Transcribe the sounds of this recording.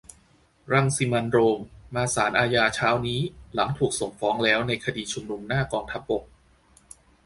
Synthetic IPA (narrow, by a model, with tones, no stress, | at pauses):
ɾa˧˩ŋsi˧ma˧nɾoː˧mːaː˧saː˩˦nʔaː˧jaː˧t͡ɕʰaː˦˥wniː˦˥la˩˦ŋt̪ʰuː˨˩k̚so˨˩ŋfɔː˦˥ŋlɛː˦˥wna˧jkʰa˧diː˧t͡ɕʰu˧mnu˧mnaː˥˩kɔː˧ŋt̪ʰa˦˥p̚bo˨˩k̚